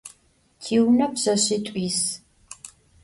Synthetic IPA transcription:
tʰiːwnɐpzɐɕitʷʼiːs

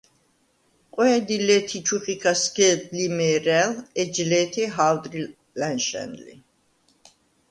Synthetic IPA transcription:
qʼwɛːd̪ilɛt̪ʰit͡ʃʰuχikʰasɡɛd̪limɛːɾɛlɛd͡ʒlɛːt̪ʰiɦawd̪ɾi | lɛnʃɛ̰nlḭ

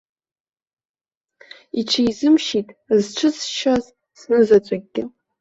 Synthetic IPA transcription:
iʈ͡ʂʰajzɨmʃitʼzʈ͡ʂʷʰɨt͡sʰʼʃaz | snɨzat͡sʷʼaɡ̚ʲːɪ

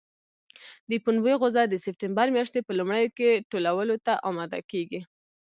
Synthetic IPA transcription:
d̪əpunweɣʊzad̪əsɪp̚tɪmbaɾmjaʃt̪epəlumɽəjokeʈolawəlot̪aʔɑmɑd̪a̰keɡi

